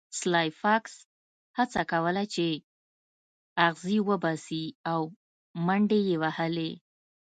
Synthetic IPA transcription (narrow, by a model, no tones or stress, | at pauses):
slɑjfɑks | hat͡sakawəlat͡ʃe | aɣziwəbɑsiaw | maɳɖejewahale